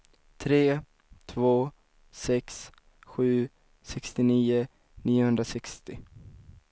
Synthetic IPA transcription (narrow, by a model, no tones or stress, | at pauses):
t̪ʰɾeː | t̪ʰvoː | sɛks | ɧʉ̟ː | sɛkst̪ɪniːʊ | niːʊhɵnd̪ɾasɛkst̪ɪ